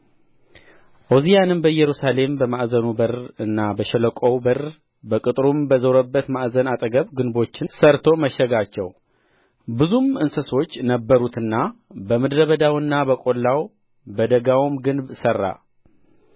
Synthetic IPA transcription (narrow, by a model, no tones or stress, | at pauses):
ʔozijanɨnbəjɛɾusale̞mbəmaʔzənubərɨnːabəʃɛləkʼowbər | bəkʼɨt̪ʼɾumbəzəwɾəbːət̪maʔzənat̪ʼəɡəβɡɨnbo̞t͡ʃːɪsəɾt̪ʰo̞məʃɛɡat͡ʃːɛw | bɨzumɨnsəso̞t͡ʃːnəbːəɾut̪ɨnːabəmɨd̪ɾəβəd̪awɨnːabəkʼo̞lːaw | bəd̪əɡawmɡɨnbsərːa̰